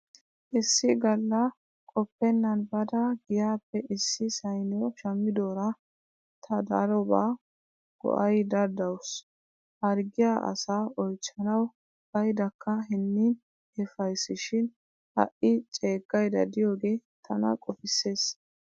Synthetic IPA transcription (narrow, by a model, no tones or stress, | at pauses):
ʔɪsːɪɡɐlːɐ | kʼɔpːɛnːɐnbɐd̪ɐɡɪjaːpːɛʔɪsːɪsɐjnɔʃɐmːɪd̪oːɾɐ | t̪ʰɐd̪ɐ̰ɾɔbaː | ɡ̥ɔ̰ʔɐjd̪ɐɾd̪ɐwʊs | hɐɾɡɪjaʔɐ̰saːɔjt͡ʃːɐnɐw | b̥ɐjd̪ɐkːɐɦɪnːiːn | hɛfɐjsɪʃɪn | hɐ̰ʔɪt͡ʃʼe̞ːɡːɐjd̪ɐd̪ɪjoːɡe̞ːt̪ʰɐnɐ̰kʼɔfɪsːe̞ːs